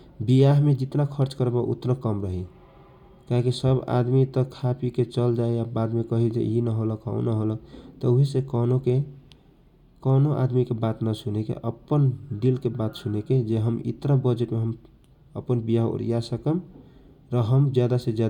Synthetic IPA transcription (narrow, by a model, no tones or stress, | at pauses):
bijaɦmed͡ʒit̪nakʰəɾt͡ʃkəɾebaʔṵt̪nəkəmɾəɦi | kaɦkisəba̰d̪mit̪əkʰapiket͡ʃəld͡ʒaeabad̪mekəɦid͡ʒḛinəɦoləkɦa̰unəɦolək̚t̪ɔuɦisekənoke | kənoʔa̰d̪mikebat̪nəsunekḛʔəpːənɖilkebat̪suneked͡ʒeɦəmḭt̪ɾabəd͡ʒeʈmeɦəm | ə̰pːənbijaɦo̰ɾḭjasəkəm | ɾəɦəmd͡ʒjad̪ased͡ʒa